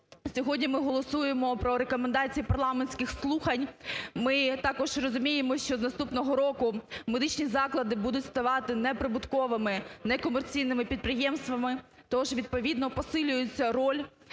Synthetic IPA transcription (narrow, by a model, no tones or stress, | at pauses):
sʲɔɦɔdʲnʲimɪɦɔlˠɔsujemɔpɾɔɾekɔmend̪ɑt͡sʲijipɐrlˠɑmenʲsʲkɪxslˠuxɐnʲmɪt̪ɑkɔʒrɔzʊmʲijemɔɕt͡ʃɔznɐst̪upnɔɦɔɾɔkʊmed̪ɪt͡ʃnʲizɑklˠɐd̪ɪbud̪ʊtʲst̪ɐʋɑt̪ɪnɛpɾɪbʊt̪kɔʋɪmɪnɛkɔmert͡sʲijnɪmɪpʲid̪̚pɾɪjɛmst̪ʋɐmɪ | t̪ɔɔʒʋʲid̪̚pɔʋʲid̪nɔpɔsɪlʲʊjʊt͡sʲːɐɾɔlʲ